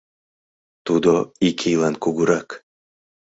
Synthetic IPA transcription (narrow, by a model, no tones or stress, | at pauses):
t̪ud̪oikʲʰijlˠankuɡuɾak